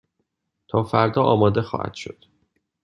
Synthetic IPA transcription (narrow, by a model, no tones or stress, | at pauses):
t̪ʰɒːfæɾd̪ɒːʔɒːmɒːd̪exɒ̰ːhæ̰d̪̥ʃo̞̰d̪̥